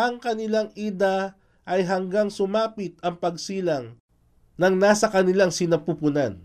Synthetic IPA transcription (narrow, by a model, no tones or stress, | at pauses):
ʔɐŋkɐnɪlaŋʔid̪a | ʔɐjɦɐŋɡaŋsʊmaːpɪt̪̚ɐŋpɐɡsiːlɐŋ | nɐŋnaːsɐkɐnɪlaŋsɪnɐpuːpʊnan